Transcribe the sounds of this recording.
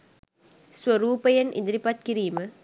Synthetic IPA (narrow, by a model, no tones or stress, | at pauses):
swɐɾuːpɐjɐnʔɪ̰nd̪ɪɾipaːt̪̚kɪɾiːmɐ